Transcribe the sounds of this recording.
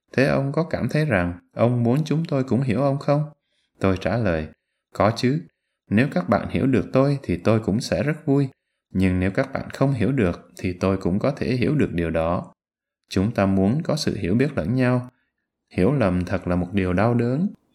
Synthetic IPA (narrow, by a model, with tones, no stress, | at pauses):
t̪ʰe˨˦ʔə˧wŋ͡mkɔ˨˦kaː˧˩mt̪ʰə˨˦jza˨˩ŋʔə˧wŋ͡mmu˨˦ənt͡ɕʊ˨˦ŋ͡mt̪o˧jkʊ̰˧˥ŋ͡mɦi˧˩əwʔə˧wŋ͡mxə˧wŋ͡m | t̪o˧jt͡ɕaː˧˩ləː˨˩j | kɔ˨˦t͡ɕɨ˨˦ | ne˨˦wkaː˦˥k̚ɓa̰ː˧˨nhḭ˧˩əwɗɨ˨˩ək̚t̪o˧jt̪ʰi˨˩t̪o˧jkʊ̰˧˥ŋ͡msɛ̰˧˥zə˦˥t̚vu˧j | ɲɨ˧ŋne˨˦wkaː˦˥k̚ɓa̰ː˧˨nxə˧wŋ͡mɦi˧˩əwɗɨ˨˩ək̚t̪ʰi˨˩t̪o˧jkʊ̰˧˥ŋ͡mkɔ˨˦t̪ʰe˧˩ɦi˧˩əwɗɨ˨˩ək̚ɗi˨˩əwɗɔ˨˦ | t͡ɕʊ˨˦ŋ͡mt̪aː˧mu˨˦ənkɔ˨˦sɨ̰˧˨ɦi˧˩əwɓi˦˥ət̚lə̰˧˥˨nɲa˧w | hi˧˩əwlə˨˩mt̪ʰə˨˩t̚laː˨˩mo˨˩t̚ɗi˨˩əwɗa˧wɗəː˨˦n